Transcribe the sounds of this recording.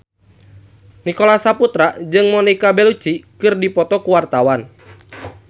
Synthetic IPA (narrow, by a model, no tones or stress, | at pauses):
nikɔlasaput̪ɾad͡ʒɨŋmɔnikabɛlut͡ʃikɨrdipɔt̪ɔkuwart̪awan